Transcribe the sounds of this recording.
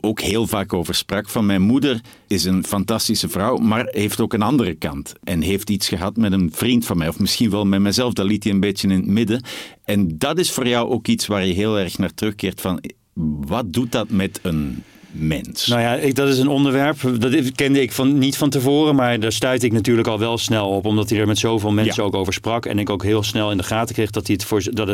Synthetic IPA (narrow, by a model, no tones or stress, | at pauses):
oːkɦeːlˠvaːkoːvərsprɑkfɑnmɛjnmudər | ɪsənfɑntɑstisəvrɑwmaːrɦeftoːkənɑndərəkɑntʔɛnɦeːftitsxəɦɑtmɛtənv̥rintfɑnmɛjɔfmɪsxinʋɛlˠmɛtmɛjzɛlˠfdɑlitiənbeːtjənɪnətmɪdəɛndɑtɪsfoːrjɑwʔoːkitsʋaːrjəɦeːlˠɛrxnaːrtrɵxkɪːrtfɑn | ʋɑt̚dut̚dɑtmɛtən | mɛ̰nsnawjadɑtɪsənɔndəɹʋɛɹpdɑtkɛndəɪkfɑnitfɑntəvoːrəmaːɹdaːɹstœɥtɪknatyːɹləkɑlˠʋɛlˠsnɛlˠɔpɔmdɑtidəɹmɛtsowvɪːlˠmɛnsəowkowvəɹsprɑkɛ̰nɪkowkɦɪːlˠsnɛlˠɪndəχaːtəkrejχdɑtiətfʊːd